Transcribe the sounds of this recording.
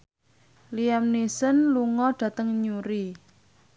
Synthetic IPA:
liamnisənluŋɔɖ̥ä̤t̪əŋɲuɾi

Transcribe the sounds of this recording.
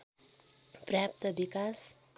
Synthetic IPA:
prap̚t̪ʌbikas

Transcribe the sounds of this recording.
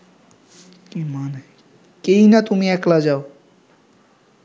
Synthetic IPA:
kimane | keinat̪umiɛklad͡ʒao

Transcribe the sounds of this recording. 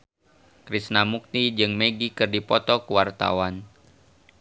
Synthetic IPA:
kɾisnamuk̚t̪id͡ʒɨŋmeɡikɨrdipɔt̪ɔkuwart̪a̰wan

